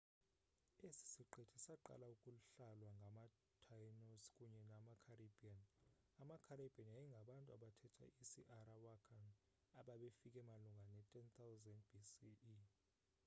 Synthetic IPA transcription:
esi̥siǃetʰi̥saǃa̰laukʼuluɬalwaŋɡʱama | tʰajnoskʼuɲɛnamakʰarebʱian | amakʰaɾeb̥ʱianajɛŋɡʱaɓantʼuaɓatʰɛtʰa̰ʔisiʔaɾawakʰan | aɓaɓefikʼɛmaluŋɡʱanɛtʼɛnt̪ʰawzandbʱisii

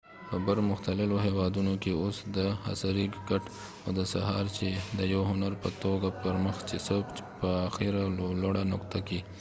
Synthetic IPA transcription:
pəbəɾmʊxt̪alɪloɦewɑd̪unokeosd̪əha̰saɾikɡaʈ | awd̪əsaɦɑɾt͡ʃed̪əjawɦʊnaɾpət̪oɡapəɾməxt͡ʃesokpəaxiɾaloɽanʊkt̪aki

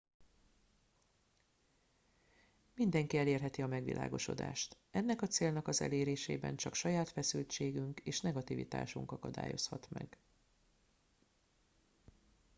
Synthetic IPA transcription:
mind̪ɛŋkiɛleːrɦɛt̪iɒmɛɡʋḭlʔa̰ːɡo̞ʃo̞̰d̪a̰ːʃt̪ | ɛnːɛkɒt̪seːlnɒkɒzɛ̰leːɾeːʃḛːbɛ̰nt͡ʃɒkʃɒjaːt̪fɛsylt͡ʃeːɡyŋkeːʃnɛɡɒt̪iːvḭt̪a̰ːʃuŋkɒkɒd̪a̰ːjo̞shɒt̪mɛ̰ɡ

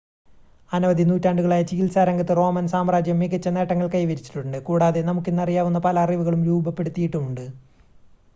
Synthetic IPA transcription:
ɐnɐʋɐðinuːtːaːɳɖuɣɐɭaːjɐt͡ɕiɣilsaːɾɐŋɡɐt̪ːɨro̞ːmɐnsaːmraːd͡ʑjɐmːiɣɐt͡ɕːɐne̞ːʈːɐŋːɐɭkɐjʋɐɾit͡ɕːi̥ʈːuɳɖɨkuːɽaːðe̞nɐmukːenːɐrijaːʋunːɐpɐlɐɐriʋuɣɐɭumɾuːbɐpːe̞ɽut̪ːijiʈːumuɳɖɨ

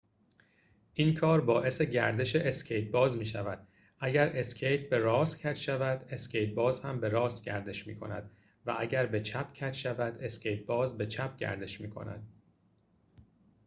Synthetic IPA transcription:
ʔiːnkʰɒːɾbɒːʔe̞se̞ɟæɾd̪e̞ʃe̞ʔescʰejt̪̚bɒːzmiːʃævæd̪̥ | ʔæɟæɾe̞scʰejt̪̚ʰbe̞ɾɒːscʰæt̪ʃævæd̪e̞scʰe̞jt̪̚bɒːzhæmbe̞ɾɒːst̪̚ɟæ̰ɾd̪e̞ʃmiːkʰo̞̰næ̰d̪̥ | væʔæɟæɾbe̞t͡ʃʰæpʰcʰæt̪ʃævæd̪e̞scʰe̞jt̪̚bɒːzbe̞t͡ʃʰæp̚ɟæ̰ɾd̪e̞ʃmiːkʰo̞̰næ̰d̪̚

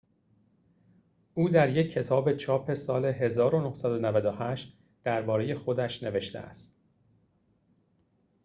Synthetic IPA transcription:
uːd̪æɾje̞cʰːe̞t̪ʰɒːbet͡ʃʰɒːpʰe̞sɒːle̞ɦe̞zɒːɾonohsæd̪onævæd̪ohæʃt̪ | d̪̥æɾbɒːɾe̞je̞xo̞d̪æʃne̞ve̞ʃt̪ʰḛʔæ̰st̪

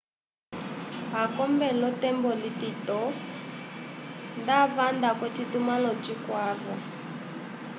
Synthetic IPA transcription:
akɔmbɛlɔtɛmbɔlititɔ | ndavandakwɛtitumalɔt͡ʃikwavɔ

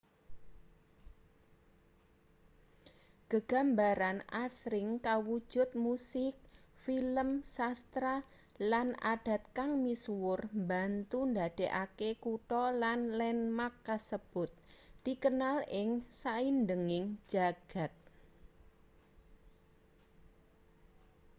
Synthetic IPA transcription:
ɡ̥əɡ̥a̤mbaɾanʔasɾɪŋkawud̥ʒ̥ʊ̤t̪̚musɪk̚filəmsast̪ɾa | lanʔa̰d̥a̤t̪̚kaŋmiswʊrmbant̪und̪ad̪̥e̤ʔakekuʈɔlanlɛnmakːasəb̥ʊt̪̚d̪̥ikənalɪŋsaindəŋɪŋ̥ʒ̥a̤ɡ̥a̤t̪̚

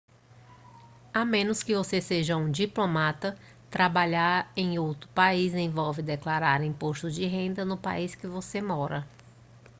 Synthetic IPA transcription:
amẽnʊskɪvoseseʒɐũd͡ʒiplomat̪ɐ | t̪ɾabaʎaɾẽj̃owt̪ɾʊpaizẽj̃vɔwvɪd̪eklaɾaɾĩpoʃt̪ʊd͡ʒɪɦẽnd̪ɐnʊpa̰iskɪvosemɔɾɐ

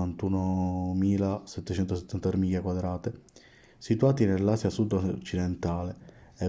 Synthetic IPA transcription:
ant̪unomiːlasɛt̪ːet͡ʃɛnt̪os̬et̪ːant̪at̪ɾemiːjakwad̪ɾaːt̪e | sit̪uaːt̪inelːaːsjasud̪t͡ʃid̪ɛnt̪aːle | ɛ

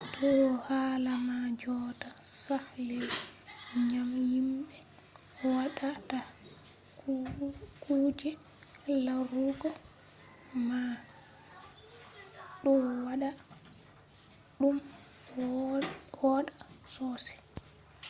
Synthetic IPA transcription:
dɔhalamad͡ʒɔtasahlej | ɲamjimɓɛ | waɗata | kuːd͡ʒɛ | laɾuɡɔ | ma | ɗɔwaɗa | ɗum | wɔɗasɔsɛ̥

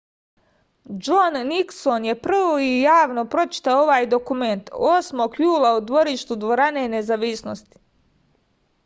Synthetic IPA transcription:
d͡ʒonːiksonje̞pr̩ʋoijaːʋno̞pɾo̞t͡ʃi̥t̪aoo̞ʋaːjd̪o̞kume̞nt̪o̞ːsmo̞ɡjuːlˠaud̪ʋo̞ɾiʃt̪ud̪ʋo̞ɾane̞ne̞zaʋisnost̪i̥

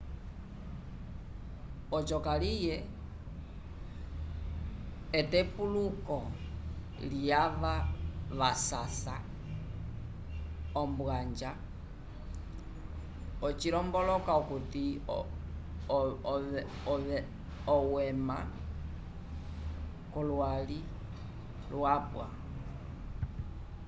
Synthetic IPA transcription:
ɔt͡ʃɔkalijɛ | tɛpulukɔ | liaʋaβasasa | ɔmbwaɲd͡ʒa | ɔt͡ʃiɾɔmbɔlɔkaukuti | ɔɛ | ɔwɛma | kɔlwali | lwapwa̰

